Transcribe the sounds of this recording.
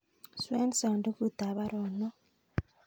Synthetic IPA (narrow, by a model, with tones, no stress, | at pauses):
swe˦nsa˨nde˦ku˦ta˨βa˦ɾo˨no˦